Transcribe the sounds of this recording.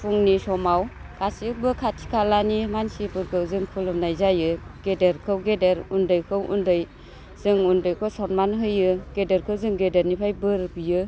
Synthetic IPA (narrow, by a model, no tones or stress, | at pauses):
pʰuŋnisɔmaw | kʰasik̚bɯkʰatʰi̥kʰalanimansibɯɾɡɯwzɯŋkʰɯlɯmnajzajɯɡ̥edeɾkʰɯwɡedeɾundɯjkʰɯwʔṵndɯj | z̥ɯŋundɯjkʰɯwsɔnmanɦɯjɯɡ̥edeɾkʰɯwzɯŋɡedeɾnipʰajbɯɾbijɯ